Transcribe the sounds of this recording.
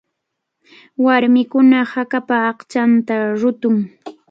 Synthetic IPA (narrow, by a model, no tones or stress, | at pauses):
waɾmɪkʊnahakapaːχt͡ʃant̪aɾʊt̪ʊŋ